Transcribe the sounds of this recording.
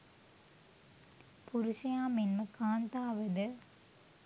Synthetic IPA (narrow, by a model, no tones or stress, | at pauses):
pʊɾʊsɐjaːmenmɐkaːnt̪aːʋɐðɯ